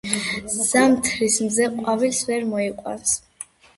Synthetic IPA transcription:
z̥amt̪ʰɾismzɛqʼwavilsvɛɾmɔiqʼwa̰ns

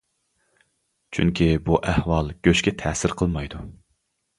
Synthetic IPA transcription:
t͡ʃʰyŋkʲibuʔæhwɑlˠɡ̥ʲøʃkʲɛt̪ʰɛːsɪɾqʰəlˠmɑjd̪u

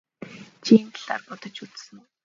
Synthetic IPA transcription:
t͡ɕʰiːnt̪ɮa̰ːrpɔt̪ɞ̆t͡ɕut͡ssɘ̆ŋ

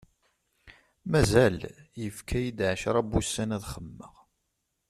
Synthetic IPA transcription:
mæzæljəfkʰæjid̪ʕəʃɾˤɑbusːænæðχəmːəʁ

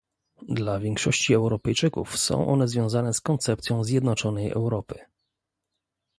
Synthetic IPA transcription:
d̪lavʲjɛŋkʂɔɕt͡ɕiɛwɾɔpɛjt͡ʂɘkṵfsɔ̰̃w̃ʔɔ̰nɛzvʲjɔ̃w̃zanɛskɔnt̪sɛpt̪sʲjɔ̃w̃zʲjɛd̪nɔt͡ʂɔnɛjʔɛ̰wɾɔpɘ

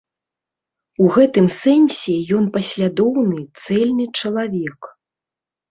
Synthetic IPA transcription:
uɣɛt̪ɨmsɛnʲsʲɛjɔnpɐsʲlʲad̪ɔwnɨt̪sɛlʲnɨt͡ʂɐlˠavʲɛk

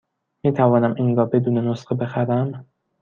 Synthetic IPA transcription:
miːt̪ʰævɒːnæminɡɒːbe̞d̪uːne̞nosɢebe̞xæɾæm

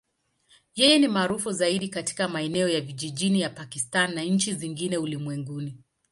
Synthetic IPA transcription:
jɛjɛnimaːɾufuzaiɗikati̥kamaɛnɛɔjaviʄiʄinijapakistanːaɲ̩t͡ʃiziŋɡinɛulimwɛŋɡuni

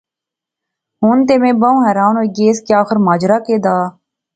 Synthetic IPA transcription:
ɦʊnt̪eːmẽːbə̃ːɦɛːɾaːnoːiɡeːskeaːxəɾmaːd͡ʒɾaːkeːd̪aː

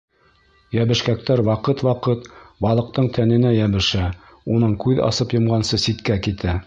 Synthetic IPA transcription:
jæβɘ̆ʃkæk̚t̪æɾwɑqɤt̪wɑqɤt̪bɑlˠɤ̆q̚t̪ɤɴt̪ʰænɘ̆næjæβɘ̆ʃæ | unɤɴkʉðɑ̰sɤpjɤ̆mʁɑnsɤsit̪kækit̪ʰæ

